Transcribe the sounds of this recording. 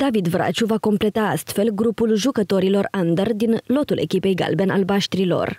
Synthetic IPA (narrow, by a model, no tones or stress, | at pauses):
d̪avid̪vɾa̰t͡ʃuvako̞mple̞t̪aast̪fe̞lɡɾupulʒukət̪o̞ɾilo̞rand̪ərd̪inlo̞t̪ulʔe̞̰kʲipe̞jɡa̰lbenalbaʃt̪ɾilo̞̰r